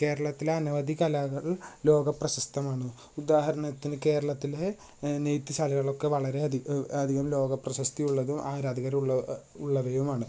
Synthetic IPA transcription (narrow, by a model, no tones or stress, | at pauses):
ke̞ːɾɐɭɐt̪ːileɐnɐʋɐd̪ikɐlɐɣɐɭloːɡɐprɐɕɐst̪ʰɐmaːɳɨ | ud̪aːɦɐɾɐnɐt̪ːinɨke̞ːɾɐɭɐt̪ːile | nejt̪ːisaːlɐɣɐɭo̞kːe̞ʋɐɭɐɾe̞ɐɐd̪ʱiɣɐmlo̞ːɡɐprɐɕɐst̪ijuɭːɐðumʔaːɾaːd̪ɐɣɐɾuɭːɐ | uɭːɐʋɐjumaːɳɨ